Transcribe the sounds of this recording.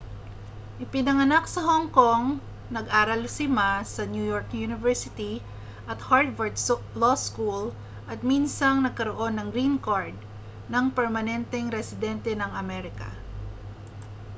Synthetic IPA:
ʔɪpɪnɐŋɐnak̚sɐhoŋko̞ŋ | nɐɡʔaːɾɐlsɪmasɐnjujoɹkjunɪvɛɹsɪt̪i | ʔɐt̪haɹd̪vɛɹd̪ | loskul | ʔɐt̪̚minsɐŋnɐɡ̚kɐɾoʔo̞nːɐŋɾinkaɹd̪̚ | nɐŋpɛɹmɐnɛnt̪ɛŋɾɛsɪd̪ɛnt̪ɛnɐŋʔɐmɛɾɪkɐ̰

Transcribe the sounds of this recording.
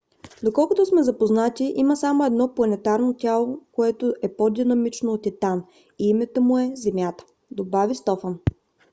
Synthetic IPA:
d̪okɔlˠkʊt̪ʊsmɛzɐpoznat̪iʔiməsamoɛd̪nɔplˠɐnɛt̪aɾnot̪ʲjalˠokoɛt̪ʊʔɛpod̪inɐmit͡ʃnoːt̪it̪an | iimɛt̪əmʊɛzɛmjat̪ə̥ | d̪obavist̪ɔfən

